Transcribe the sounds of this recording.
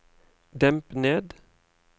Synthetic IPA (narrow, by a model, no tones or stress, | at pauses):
d̪ɛmpneːd̪